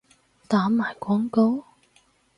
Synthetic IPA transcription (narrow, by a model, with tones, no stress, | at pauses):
t̪aː˨˥maː˨˩jkʷɔː˥ŋko˥w